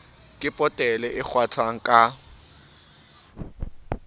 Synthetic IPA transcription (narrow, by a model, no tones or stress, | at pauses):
kʼɪpʼɔtʼɛlɛʔɪk͡xʰwatʰaŋ̩kʼa